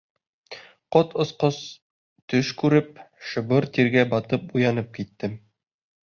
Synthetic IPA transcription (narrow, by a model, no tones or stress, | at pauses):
qot̪ŏsqos | t̪ɵʃkʉɾɘp̚ʃɤ̆bɤɾt̪iɾɡæbɒt̪ɤpujɑn̪ɤp̚kit̪ːɘm